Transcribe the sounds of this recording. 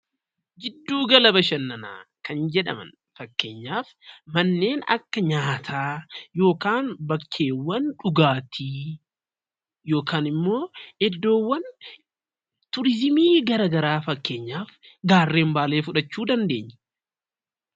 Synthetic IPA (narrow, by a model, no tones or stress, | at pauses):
d͡ʒɪd̪ːuːɡɐlɐbɐʃɐnːɐna̰ːkɐnd͡ʒɛᶑɐ̰mɐ̰n | fɐkːe̞̰ːɲːaːf | mɐnːe̞ːnɐ̰kːɐɲaːt̪ʰaːjo̞ːkaːnbɐkʰːe̞ːwːɐnᶑʊɡaːt̪ʰiː | jo̞ːkaːnɪmːo̞ːɛd̪ːo̞ːwːɐn | t̪ʊɾɪzɪmiːɡɐɾɐɡɐɾaːfɐkːe̞ːɲːaːf | ɡaːrːe̞ːmbaːle̞ːfʊᶑɐt͡ʃːuːd̪ɐnd̪e̞ːɲːɛ̥